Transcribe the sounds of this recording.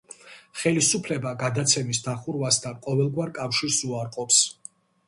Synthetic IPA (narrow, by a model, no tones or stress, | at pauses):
χɛlisupʰlɛbaɡad̪at̪sʰɛmisd̪aχuɾvast̪ʰanqʼɔvɛlˠɡwaɾkʼafʃiɾsuaɾqʼɔps